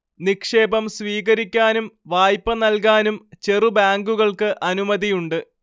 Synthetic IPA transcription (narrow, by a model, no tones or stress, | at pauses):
nikʂe̞ːbɐmsʋiːɣɐɾikʲːaːnumʋaːjpːɐnɐlkaːnumt͡ɕe̞rubaːŋɡuɣɐɭkɨʔɐnumɐðijuɳɖɨ